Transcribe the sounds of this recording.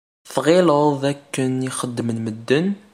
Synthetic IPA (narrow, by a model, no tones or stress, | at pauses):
θʁiləðˤðækːəniχəd̪ːmənməd̪ːən